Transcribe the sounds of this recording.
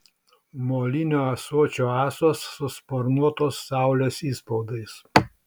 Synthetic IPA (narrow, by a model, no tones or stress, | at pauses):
moːlʲɪnʲoːɐsuɔt͡ʃʲoːɑːsoːsːʊspoːɾnuɔt̪oːsːɑˑʊlʲeːsiːspɔʊd̪ɐɪs